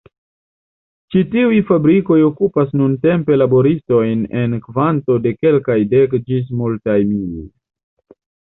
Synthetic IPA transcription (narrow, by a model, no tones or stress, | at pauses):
t͡ʃitiujfabɾiko̞jo̞kupasnunte̞mpe̞labo̞ɾisto̞jne̞nkvanto̞de̞ke̞lkajde̞kd͡ʒis̬multajmilo̰j